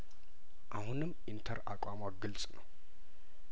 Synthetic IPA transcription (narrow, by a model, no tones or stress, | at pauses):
ʔahunɨmʔint̪ʰəɾa̰kʷʼamaɡɨlt͡sʼnəw